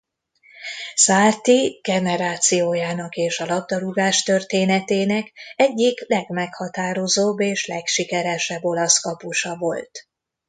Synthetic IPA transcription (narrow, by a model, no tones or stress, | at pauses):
saːrt̪iɡ̥ɛnɛɾaːt̪sijoːjaːnɒkeːʃɒlɒb̚d̪ɒɾuɡaːʃt̪ø̞rt̪eːnɛt̪eːnɛkɛɟːiklɛɡmɛkhɒt̪aːɾo̞zoːbːeːʃlɛkʃikɛɾɛʃɛbːo̞lɒskɒpuʃɒvo̞lt̪